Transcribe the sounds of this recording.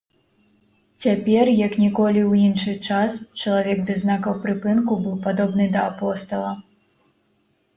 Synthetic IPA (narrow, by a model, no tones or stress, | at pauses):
t͡sʲapʲɛrjɐknʲikɔlʲiwinʂɨt͡ʂast͡ʃɐlˠavʲɛɡ̚b̪ʲɛznakɐwpɾɨpɨnkubɨwpad̪ɔbnɨd̪ɐːpɔst̪ɐlˠɐ